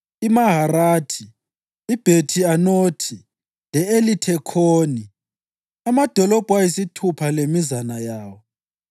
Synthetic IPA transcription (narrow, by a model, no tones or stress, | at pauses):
imaɦaraːtʰi | ib̥ʱetʰianoːtʰi | lɛelitʰɛkʰoːni | amad̥ʱɔlɔb̥ʱwajisitʰupʰalemizanajaːwɔ